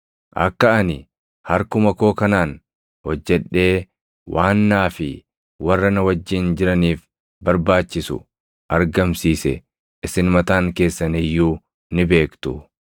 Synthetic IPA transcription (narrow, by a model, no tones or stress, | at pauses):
ʔɐ̰kːɐɐnɪ | hɐɾkʊmɐko̞ːkɐnaːn | hɔd͡ʒːɛᶑːe̞ː | wʔaːnːaːfɪ | wɐrːɐnɐwɐd͡ʒːɪnd͡ʒɪɾɐniːf | bɐɾbaːt͡ʃːɪsʊ̰ | ʔɐɾɡɐmsiːsɛ | ɪsɪnmɐt̪aːŋke̞ːsːɐnɪjːuː | nɪbe̞ːkt̪ʊ